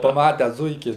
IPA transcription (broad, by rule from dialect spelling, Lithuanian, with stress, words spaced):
pɐˈmɑːtʲɛs ˈzʊɪkʲɪ